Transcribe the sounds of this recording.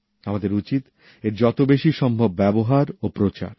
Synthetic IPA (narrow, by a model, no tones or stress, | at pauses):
amad̪eɾut͡ɕit̪ | eɾd͡ʑɔt̪obeʃiʃɔmbʱobːɛboɦaɾopɾot͡ɕa̰ɾ